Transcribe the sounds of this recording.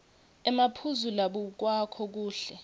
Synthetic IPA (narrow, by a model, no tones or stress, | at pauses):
ɛmapʰuzulaɓuk̬wakʰɔk̬uːɬɛ